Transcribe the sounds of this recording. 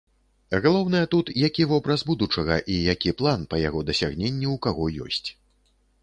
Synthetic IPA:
ɣalˠɔwnɐjɐt̪ut̪jakʲivɔbɾɐzbud̪ut͡ʂɐɣɐʔijakʲiplˠanpɐjaɣɔd̪ɐsʲaɣnʲenʲːiukaɣɔjɔ̰sʲt͡sʲ

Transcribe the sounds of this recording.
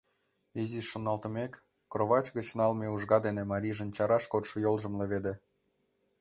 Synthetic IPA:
iziʃonɑlt̪ə̆mekː | roβɑt͡ɕɣət͡ɕnɑlmeuʒɣɑd̪enemɑɾʲiʒənt͡ɕɑɾɑʃkot̪ʃŏjolʒə̆mleβed̪e

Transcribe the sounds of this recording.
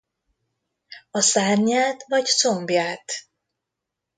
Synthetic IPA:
ɒsaːrɲaːt̪vɒct̪sombjaːt̪

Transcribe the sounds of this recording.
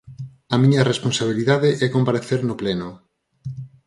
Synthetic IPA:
ɐmiɲɐresponsaβ̞iliðaðeʔɛkompaɾeθeɾnʊplɛnʊ

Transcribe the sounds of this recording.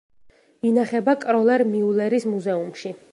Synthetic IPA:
inaχɛbakʼɾɔlɛɾmiulɛɾismuzɛumʃi

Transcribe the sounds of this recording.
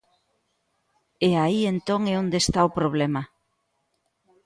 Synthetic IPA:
eaient̪oŋeond̪est̪aopɾoβ̞lemɐ

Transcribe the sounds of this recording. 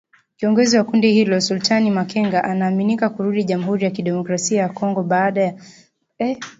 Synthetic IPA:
kiɔŋɡɔziwakundihilɔsultʰanimakɛŋɡaʔanaːminikakuɾuɗiʄam̩uɦuɾijakiɗɛmɔkɾasiajakɔŋɡɔɓaːɗaja

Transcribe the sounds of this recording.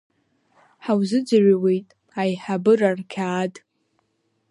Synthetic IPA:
ħawzɨd͡zaɥawejtʼ | ajħabɨrarkʲʰaːdʼ

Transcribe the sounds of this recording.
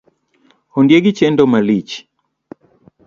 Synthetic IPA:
hɔndiɛɡit͡ʃɛndɔmalit͡ʃi̥

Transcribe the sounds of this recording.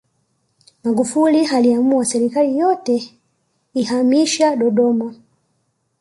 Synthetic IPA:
maɡufulihaliamuasɛɾikalijɔtɛ | ihamiʃaɗɔɗɔma

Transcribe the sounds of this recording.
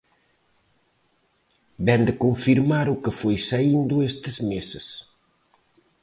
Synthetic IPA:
bɛnd̪ɪkoɱfiɾmaɾʊkɪfojsaind̪ʊest̪ɪzmesɪs

